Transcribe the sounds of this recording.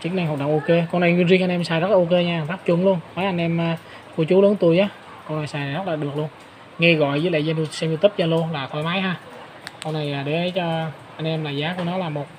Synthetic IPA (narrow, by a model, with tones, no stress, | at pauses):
t͡ɕɨ˨˦ŋna˧ŋɦa˨˩k͡p̚ɗə̰˨wʔo˧ke˧kɔ˧na˨˩jwi˧nzi˧ŋʔa˧ŋʔɛ˧msaː˧˩jzə˦˥t̚lːaː˨o˧ke˧ɲaː˧˨˩t̪a˦˥p̚t͡ɕʊ̰˧˩nlu˧ənnɔ˨˦jʔa˧ŋ̟ʔɛ˧maː˧ | ku˧ət͡ɕu˨˦ləː˨˦nt̪u˧əjʔaː˨˦ | kɔ˧wna˨˩jsaː˧˩jzə˦˥t̚laː˨˩ɗɨ˨˩ək̚lu˧ən | ŋɛ˧ɣɔ̰˧˨jvəː˨˦lḛ˧˨za˧nlo˧sɛ˧mji˧t̪i˦˥p̚za˧nlo˧laː˨˩t̪ʰɔ˧˩jmaː˨˦jɦaː˧ | kɔ˧na˨˩jʔaː˨˩ɗe˨˩ʔə˨˦jt͡ɕɔ˧ | ʔa˧jŋ̟ʔɛ˧mlaː˨˩zaː˨˦ku˧˩ənɔ˨˦laː˨˩mo˨˩t̚